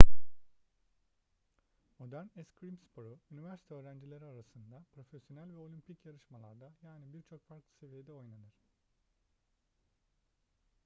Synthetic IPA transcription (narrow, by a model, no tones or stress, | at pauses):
mo̞d̪æɾnɛskɾimspʰo̞ɾuynivæɾsi̥t̪ʰɛøːɾænd͡ʒilʲe̞ɾiaɾasɯnd̪apʰɾo̞fesjo̞nælʲvɛo̞lʲympʰicjaɾɯʃmalˠa̰ɾd̪ajaːnibiɾt͡ʃʰo̞kfaɾklˠɯ̥se̞vije̞d̪ɛo̞jnanɯɾ̥